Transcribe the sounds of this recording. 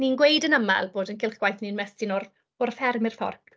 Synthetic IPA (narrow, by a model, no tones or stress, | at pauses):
ninɡwejdənəma̰lˠboːdənkʰɪlˠχɡ̥wajθninmɛstɪnɔr | ɔrfɛrmɪrfɔ̰rk